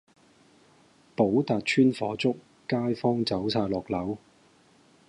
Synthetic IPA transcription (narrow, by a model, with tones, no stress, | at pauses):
po˨˥wt̪aː˨t̚t͡ʃʰyː˥nfɔː˨˥t͡sʊ˥k̚ː | aː˥jfɔː˥ŋt͡sɐ˨˥wsʰaː˧lɔː˨k̚lɐ˨˥w